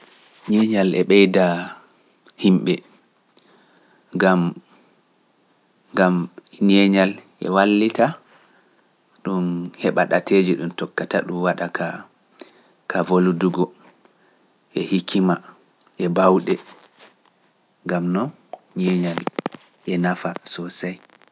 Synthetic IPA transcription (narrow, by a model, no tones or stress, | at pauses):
ɲɛɲalɛɓɛjda | himɓɛ | ɡam | ɡamɲɛɲalʔɛ̰walːita | ɗunhɛɓaɗatʰeːd͡ʒiɗumtɔkːata̰ɗumwaɗaka | kʰavoluduɡɔ | ʔɛhikʰima | ʔɛbawɗɛ | ŋɡamnɔn | ɲɛɲal | ʔɛnafasɔsaj